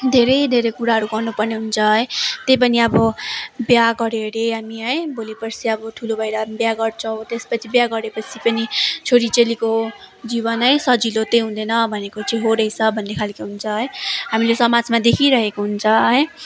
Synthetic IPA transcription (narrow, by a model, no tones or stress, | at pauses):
d̪ʱeɾʌjd̪ʱeɾʌjkuɾaɦʌɾuɡʌrnupʌrneɦunt͡sʰʌɦjt̪ejp̬ʌniʌbʌbjaɡʌɾeɾeɦamiɦʌjbolepʌrt͡sʰiʌbʌʈʰulobʱʌjɾʌbjaɡʌrt͡sʰʌw̃t̪espʌt͡sʰibjaɡʌɾepʌt͡sʰipʌnit͡sʰoɾit͡seliko | d͡ziβʌnɦʌjsʌd͡zilot̪eɦund̪ʌnʌbʱʌnekot͡siĩɦoɾʌjt͡sʰʌbʱʌnːekʰalkiɦunt͡sʰʌɦʌjɦamilesʌmad͡zmad̪ekʰiɾʌɦekoɦunt͡sʰʌɦʌj